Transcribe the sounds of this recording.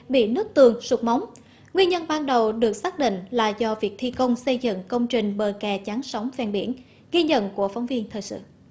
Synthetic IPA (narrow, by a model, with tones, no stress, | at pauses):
ɓḭ˧˨nɨ˦˥ək̚t̪ɨ˨˩əŋsu˨˩t̚ma˨˦wŋ͡m | ŋwi˧əɲə˧nɓaː˧nɗə˨˩wɗɨ˨˩ək̚saː˦˥k̚ɗḭ̈˧˨ŋ̟laː˨˩zɔ˧vi˨˩ək̚t̪ʰi˧kə˧wŋ͡msə˧jzɨ̰˧˨ŋkə˧wŋ͡mt͡ɕï˨˩ŋ̟ɓəː˨˩kɛ˨˩t͡ɕaː˨˦nsa˨˦wŋ͡mfɛ˧˩nɓi˧˩ən | ɣi˧ɲə̰˧˨nku˧˩əfa˨˦wŋ͡mvi˧ənt̪ʰəː˨˩jsɨ̰˧˨